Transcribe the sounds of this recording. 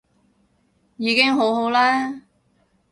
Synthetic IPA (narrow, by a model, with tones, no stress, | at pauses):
jiː˨˧kɪ˥ŋɦo˨˥wɦo˨˥wlɛː˥